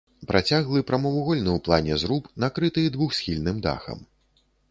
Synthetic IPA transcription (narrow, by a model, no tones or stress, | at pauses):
pɾʔat͡sʲaɣlˠɨpɾɐmɔvuɣɔlʲnɨwplˠanʲɛzɾupnakɾɨt̪ɨd̪vuxsʲxʲilʲnɨmd̪a̰xɐ̰m